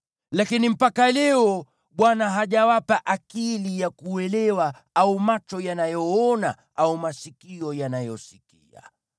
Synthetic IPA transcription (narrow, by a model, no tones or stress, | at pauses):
lakinim̩pakalɛɔ | ɓwanaɦaʄawapaʔakilijakuɛlɛwa | aumat͡ʃɔjanajɔɔna̰ | aumasikiɔjanajɔsikia̰